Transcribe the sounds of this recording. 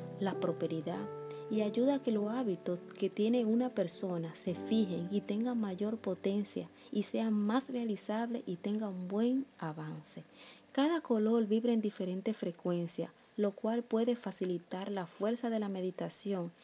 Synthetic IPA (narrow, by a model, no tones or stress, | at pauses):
lapɾo̞spe̞ɾiðaðiaʝuðake̞lo̞aβit̪oske̞t̪je̞ne̞unape̞ɾso̞nase̞fiɦe̞ŋit̪e̞ŋɡamaʝo̞ɾpo̞t̪e̞nsja̰ | ise̞amasrealisaβle̞̰ʔit̪e̞ŋɡaumbwe̞ŋaβanse̞kaðako̞lo̞ɾβiβɾeːnd̪ife̞ɾe̞nt̪e̞sfɾe̞kwe̞nsja̰ | lo̞kwalpwe̞ðe̞fasilit̪aɾlafwe̞ɾsaðe̞lame̞ðit̪asjo̞ŋ